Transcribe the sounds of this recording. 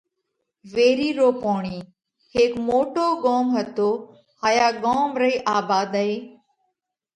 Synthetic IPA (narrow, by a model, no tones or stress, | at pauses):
ʋeːɾiːɾoːpoːɳiː | heːkmoːʈoːɡoːmɦət̪oː | haːjaːɡoːmɾəiːʔaːbaːd̪əeː